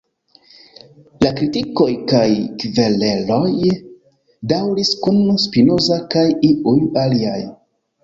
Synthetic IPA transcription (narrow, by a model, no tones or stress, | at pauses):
lakɾitiko̞jkajkvele̞lo̞j | dawɾiskunspino̞zakajiujaliaj